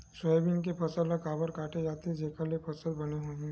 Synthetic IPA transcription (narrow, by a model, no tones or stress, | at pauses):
səbʱiɪnk̬epʰɐsələkaːbəɾkaːʈed͡ʒaːt̪ed͡ʒeːkəɾliepʰɐsə̃ɾbɐneɦoː